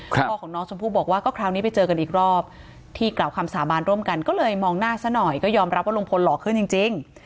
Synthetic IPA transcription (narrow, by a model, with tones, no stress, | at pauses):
ɔː˥˩kɔː˩˦ŋnɔː˦˥ŋsʰo˧mpʰuː˥˩bɔː˨˩k̚waː˥˩kɔː˥˩kʰɾaː˦˥wniː˦˥pa˧jt͡ɕɤː˧ka˧nʔiː˨˩k̚ɾɔː˥˩p̚ | t̪ʰiː˥˩klaː˨˩wkʰa˧msaː˩˦baː˧nɾu˥˩əmka˧nkɔː˥˩lɤː˧jmɔː˧ŋnaː˥˩sa˦˥nɔ˨˩jkɔː˥˩jɔː˧mɾa˦˥p̚waː˥lo˧ŋpʰo˧nlɔː˨˩kʰːɯ˥˩nt͡ɕi˧ŋt͡ɕi˧ŋ